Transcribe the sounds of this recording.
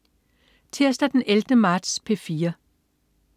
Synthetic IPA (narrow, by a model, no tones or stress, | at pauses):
t͡sʰeɐsd̥æd̥eneld̥əmɑ̈ːd̥spʰefiːɐ